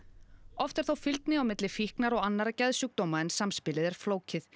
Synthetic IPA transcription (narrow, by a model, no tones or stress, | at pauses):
ɔft̪ɛɾ̥θowfɪlt̪nɪawmɪt̪lɪfihknaɾɔɣanːaɾacaðsuk̚t̪oːwmaɛnsamspɪlɪðɛɾ̥floːwcɪθ